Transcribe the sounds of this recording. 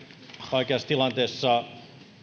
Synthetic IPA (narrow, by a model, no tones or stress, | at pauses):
oikeɑst̪ilɑnt̪eːsːɑ